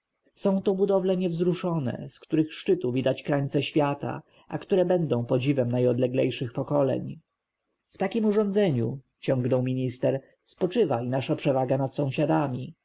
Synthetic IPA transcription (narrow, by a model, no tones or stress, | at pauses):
sɔ̃w̃t̪ɔbud̪ɔvlɛɲɛvzɾuʂɔnɛ̰skt̪uɾɘxʂt͡ʂɘt̪uvʲid̪at͡ɕkɾaɲt̪sɛɕfʲjat̪a̰ | ʔa̰kt̪uɾɛbɛnd̪ɔ̃w̃pɔd͡ʑivɛmnajɔd̪lɛɡlɛjʂɘxpɔkɔlɛ̰ɲ | ft̪akʲimuʐɔ̃nd̪zɛɲu | t͡ɕɔ̃ŋɡnɔwmʲiɲist̪ɛɾ | spɔt͡ʂɘvainaʂapʂɛvaɡanat̪sɔ̃w̃ɕad̪amʲi